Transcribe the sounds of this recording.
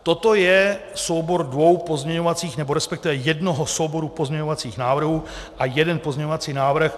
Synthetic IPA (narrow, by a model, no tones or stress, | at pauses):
t̪o̞t̪o̞jɛsowbo̞ɾdvo̞wpo̞zɲɛɲo̞vat͡siːxnɛbo̞ɾɛspɛk̚t̪ɪvɛjɛdnoɦosowbo̞ɾupo̞zɲɛɲo̞vat͡siːxnaːvr̩ɦuː | ʔajɛdɛnpo̞zɲɛɲoat͡siːnaːvr̩x